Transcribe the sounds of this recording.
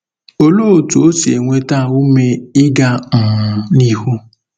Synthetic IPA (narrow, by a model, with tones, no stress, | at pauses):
o˦lo˦˨tu˨o˦se˨ŋʷe˦ta˦˨u˦me˦ɪ˦ɡa˦m̩˨ni˦hu˦